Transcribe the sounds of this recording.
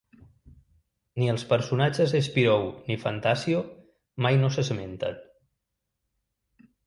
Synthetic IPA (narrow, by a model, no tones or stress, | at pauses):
niəlˠspəɾsunad͡ʒəzespiɾownifant̪asio | majnosəsəment̪ə̰n